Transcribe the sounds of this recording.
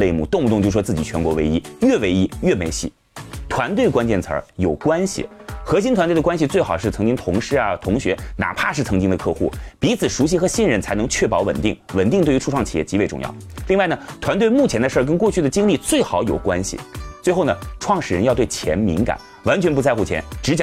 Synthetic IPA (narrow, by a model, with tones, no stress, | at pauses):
le˥˧ɪmṵ˥˩t̪ʊ˥˧ŋmu˧t̪ʊ˥˧ŋt͡ɕj̩˥˩ʂt͡sɹ̩˥˩t͡ɕi˨˩t͡ɕʰɥɛ˧˥nkwɔ˧˥we˧˥ɪi˧˥ɥɛ˥˩we˧˥ɪi˥ɥɛ˥˩me˧˥ɪɕḭ˥˩ | t̪ʰwa˧˥nt̪̬we˥˩ɪkwa˥nt͡ɕjɛ˥˩nt͡sʰə̰˞˧˥jo˨˩ʊkwa˥nɕḭ˨˩xɤ˧˥ɕ̬i˥nt̪ʰwa˧nt̪wdə˧kwa˥nɕ̬i˧t͡swe˥˩ɪxɑ˨˩ʊʂɻ̩˥˩t͡sʰɤ˧˥ŋt͡ɕi˥ŋt̪ʰʊ˧˥ŋʂɻ̩˥˩a˩t̪ʰʊ˧˥ŋɕɥɛ˧˥na̰˨˩pʰa˥˧ʂɻ̩˥˩t͡sʰɤ˧˥ŋt͡ɕi˥ŋd̪ə˧kʰɤ˥˧xu˥˩pi˧˥t͡sʰɹ̩˨˩ʂu˧˥ɕ̬i˥xɤ˧˥ɕi˥˩nɻə˧˩nt͡sʰɪnɤ˧˥ŋt͡ɕʰɥɛ˥˩pɑ˧˥ʊwə̰˨˩nt̪i˥˩ŋwə˨˩nt̪i˥˧ŋt̪e˥˩y˧˥ʈ͡ʂʰu˥˧ʈ͡ʂʰwɑ˥˩ŋt͡ɕʰi˨jɛ̰˥˩t͡ɕi˧˥we˧ɪʈ͡ʂʊ̰˥˧ŋjɑ̰˥˩ʊli˥˧ŋwa˥˩ɪnə˩t̪ʰwa˧˥nt̪we˥˧ɪmu˥˩t͡ɕʰjɛ˧˥nd̪ə˧ʂə˞˥˩kə˥nkwɔ˥˧t͡ɕʰy˥d̪ə˩t͡ɕi˥ŋli˥˧t͡swe˥˩ɪxɑ˨˥ʊjo˨˩ʊkwa˥nɕḭ˨˩t͡swe˥˧ɪxo˥˩ʊnə˩ʈ͡ʂʰwɑ˥˩ŋʂɻ̩˥˩ɻə˧˥njɑ˥˧ʊt̪we˥˩ɪt͡ɕʰjɛ̰˧˥nmi˧˥ŋka̰˨˩˦n | wa˧˥nt͡ɕʰɥɛ˧˥np̬t͡sa˥˧ɪxu˥˩t͡ɕʰjɛ̰˧˥nʈ͡ʂɻ̩˧˥t͡ɕj